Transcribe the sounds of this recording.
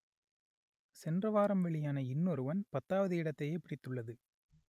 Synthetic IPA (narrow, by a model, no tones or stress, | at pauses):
sɛndrɐʋaːɾɐmʋɛɭɪjaːnɐɪnːɔɾɯʋɐnpɐt̪ːaːʋɐðɯɪɽɐt̪ːɐjeːpɪɽɪt̪ːɯɭːɐðɯ